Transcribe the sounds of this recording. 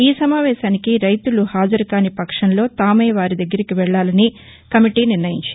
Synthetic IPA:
iːsɐmaːʋɛːʃaːnikiɾɐjt̪uluhaːd͡ʒɐɾukaːnipɐkʂɐnlo̞ːt̪aːmeːʋaːɾid̪ɐɡːɐɾikiʋɛɭːaːlɐni | kɐmiʈiːniɾnɐjiɲt͡ʃ

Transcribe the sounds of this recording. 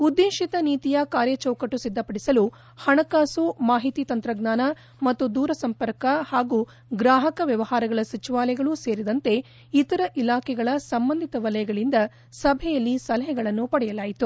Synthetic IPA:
ud̪ːiːʃit̪ɐniːt̪ijɐkaːɾjɐt͡ʃɐwkɐʈːusid̪ʱːɐpɐɽisɐlu | hɐɳɐkaːsumaːɦit̪iːt̪ɐnt̪ɾɐɡnaːnɐ | mɐt̪ːud̪uːɾɐsɐmpɐɾkɐhaːɡuː | ɡɾaːɦɐkɐʋjɐʋɐhaːɾɐɡɐɭɐsɐt͡ʃiʋaːlɐjɡɐɭuse̞ːɾid̪ɐnt̪e̞ | it̪ɐɾɐʔilaːkʰɛɡɐɭɐsɐmbɐnd̪ʱit̪ɐʋɐlɐjɐɡɐɭind̪ɐ | sɐbʱɛjɐlːisɐlɐɦɛɡɐɭɐnːupɐɽɛjɐlaːjit̪u

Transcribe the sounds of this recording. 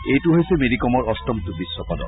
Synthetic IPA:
ejtuɦojsemedikɔmɔɹɔst̪ɔmt̪ubisːɔpɔdɔ̰

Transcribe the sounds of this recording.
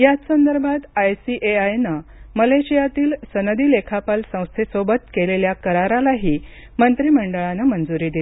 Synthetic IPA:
jat͡ssənd̪əɾbʱat̪ajsiʔeajnəməleɕijat̪iːlsənəd̪iːlekʰapalsə̃w̃st̪ʰesobət̪keleljakəɾaɾalaɦiː | mənt̪ɾiːməɳɖəɭanəmənd͡zuɾiːd̪ile

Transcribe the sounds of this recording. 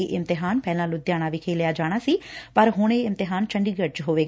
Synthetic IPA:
eːʔɪmt̪ɪɦaːnpɛːlãːlʊd̪jaːɽ̃aːʋiːkʰeːljaːd͡ʒaːɽ̃aːsiːpəɾɦʊɳ̃eːɪmt̪ɪɦaːnt͡ʃəɳɖiːɡət͡ʃɦoːʋeː

